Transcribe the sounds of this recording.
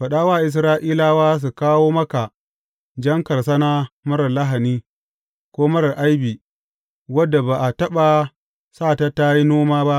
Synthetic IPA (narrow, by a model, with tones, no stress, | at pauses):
ɸɐ˨ɗaː˦waː˦˨ʔɪ˨s̬ɾaː˦ʔiː˦laː˦waː˦s̬u˨kaː˦woː˦mɐ˦ka˨ | d͡ʒɐ˦ŋkɐ˨rsa˦na˦mɐ˦ɾɐ˨la˦ɦa˨niː˦ | kʷoː˦mɐ˦ɾɐ˨ʔa˦jbiː˨ | wɐ˦dːa˨baː˨ʔa˨tɐ˦ɓa˨ | saː˦˨ta˦ta˦ji˦noː˦maː˦ba˦ʔ